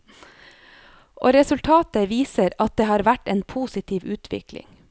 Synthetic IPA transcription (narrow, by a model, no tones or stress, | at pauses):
ʔo̰ːɾɛsʉlt̪ʰɑːt̪əʋiːsəɾɑt̪̚d̪eːhɑːɾʋæʈeːnpʰuːsɪt̪ʰiːʋʉːt̪ʰʋɪ̰klɪ̰ŋ